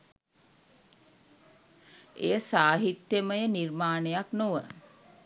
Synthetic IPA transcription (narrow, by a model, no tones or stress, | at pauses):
ḛjəsaːɦit̪jəməjənirmaːnejaknoʋə